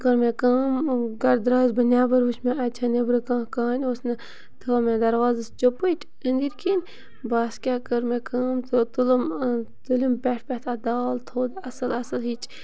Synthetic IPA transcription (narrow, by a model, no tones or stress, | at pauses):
kɐɾmekaːmɡɐɾd̪ɾaːzbɐnʲjaːbɐɾʋɨʃmẽɐt͡ʃʰɐnebɾɨkãːkaːnʲosnɐ | t̪ʰɐɐmẽd̪ɐɾwaːzɨst͡ʃopəʈʲʰ | ənd̪iɾkinʲ | baːskʲaːkɐɾmekʰaːmt̪ʰɨt̪ulɐmt̪ulʲimpʲɛʈʰpʲɛt̪ʰad̪aːlt̪ʰoːd̪ɐsɐlɐsɐlɦit͡ʃ